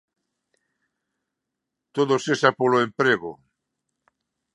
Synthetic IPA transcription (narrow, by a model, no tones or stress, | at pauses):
t̪oðosesapoloempɾeɣo̰